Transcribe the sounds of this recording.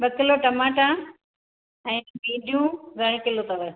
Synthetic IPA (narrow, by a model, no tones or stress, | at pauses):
ɓɐkɪloʈɐmaːʈa | ɛ̃ːbĩːɖʱijũɡʱɐɽ̃kɪlot̪ɐʋe